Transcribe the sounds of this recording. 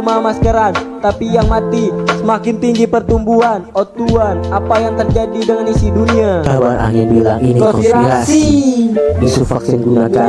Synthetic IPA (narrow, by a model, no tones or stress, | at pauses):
mamaskəɾant̪apijaŋmat̪isəmakɪnt̪iŋɡipərt̪umbuɦanot̪uanapajaŋt̪ərd͡ʒadidəŋanisiduniakabaɾa̰ŋɪnbilaŋinkɔiɾaiɾasi | isufaksɪnɡunaka